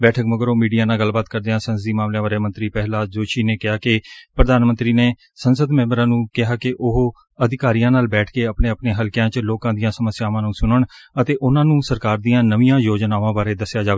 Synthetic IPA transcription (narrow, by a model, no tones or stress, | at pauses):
bɛːʈʰəkməɡəɾoːmiːɖijaːnaːɡəlbaːt̪̚kəɾd̪eːɦãːsənsəd̪iːmaːmljãːbaːɾeːmə̃nt̪ɾiːpɛɦlaːd͡ʒoːʃiːneːkɪɦaːkɪpɾəd̪aːnmə̃nt̪ɾiːneː | sənsəd̪mɛ̃ːmbəɾãːnũːkɪɦaːkɪʔʊɦ | əd̪ɪkaːɾijãːnaːlbɛːʈʰkeːəpɳeːəpneːɦəlkjãːt͡ʃəloːkãːd̪ijãːsəməsjaːʋãːnũːsʊnəɳət̪eːʔʊnãːnũːsəɾkaːɾd̪ijãːnəʋijãːjoːd͡ʒnaːʋãːbaːɾeːd̪əsːjaːd͡ʒaːʋe